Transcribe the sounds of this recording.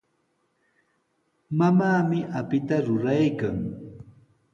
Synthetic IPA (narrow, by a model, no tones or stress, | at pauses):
mamaːmɪʔapɪt̪aɾʊɾajkaŋ